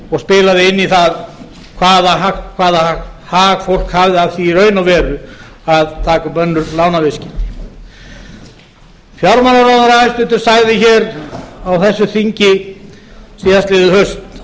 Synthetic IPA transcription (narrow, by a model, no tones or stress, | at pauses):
ɔɣspɪːlaðɪɪnːiθað | kʰvaːðaɦakʰvaːðaahaːɣfowl̥khavðɪaðθiɾœːɥnawvɛːɾʏ | aðt̪ʰaːkapœnːʏɾlaːwnavɪscɪt̪ɪ̥ | fjawɾmalaɾawðaɾaɪst̪ʏnt̪ɪɾ̥saɣðɪçɛːɾawθɛsːʏθiɲcɪ | siːðast̪lɪːðʏhœɥst̪